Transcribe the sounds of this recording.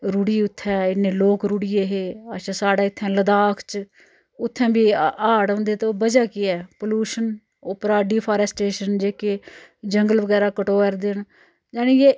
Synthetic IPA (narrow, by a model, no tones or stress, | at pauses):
ɾuːɽiːʊt̪ʰːɛ̃ːɪnːẽːloːkɾuːɽiːeːɦeːaʃãːsaːɽaːɪt̪ʰːɛ̃ːləd̪aːkʰt͡ʃ | ʊt̪ʰːɛ̃ːbiːaːɽõːnd̪eːt̪oːbəd͡ʒaːkiːɛːpəluːʃən | opəɾaːɖiːpʰaːɾɛːsʈeːʃənd͡ʒeːked͡ʒəŋɡəlʋəɡɛːɾaːkəʈoːəɾd̪ɪɳ | d͡ʒaːnejeː